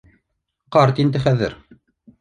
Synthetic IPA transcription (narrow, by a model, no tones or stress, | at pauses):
qɑɾt̪ind̪ɘχæðɘ̰ɾ